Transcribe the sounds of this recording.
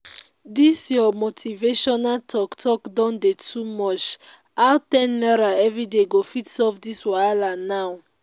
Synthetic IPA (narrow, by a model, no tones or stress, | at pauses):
disjɔmotʰiveʃɔnaltʰɔktʰɔkdɔ̃ndetʰumɔt͡ʃ | awtɛ̃nːɛɾaɛvideɡofitsɔvdiswajlanaw